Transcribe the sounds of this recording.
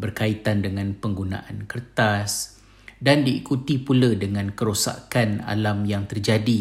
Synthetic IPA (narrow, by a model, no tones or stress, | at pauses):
bərkait̪andəŋãnpəŋɡunã̰ʔankərt̪as | dandḭːkut̪ipulədəŋãnkəɾosa̰kana̰lamjaŋt̪ərd͡ʒadi